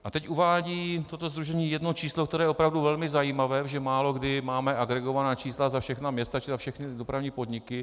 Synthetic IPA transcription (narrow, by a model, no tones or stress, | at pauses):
ʔat̪ɛcʔuvaːɟiːt̪o̞t̪o̞zd̪ɾuʒɛɲiːjɛdno̞t͡ʃiːslokt̪ɛɾɛːjɛopɾavduvɛlmɪzajiːmavɛːʒɛmaːlo̞ɡdɪmaːmɛʔaɡɾɛɡo̞vanaːt͡ʃiːslazafʃɛxnamɲɛst̪at͡ʃɪzafʃɛxnɪdopɾavɲiːpo̞dɲɪkɪ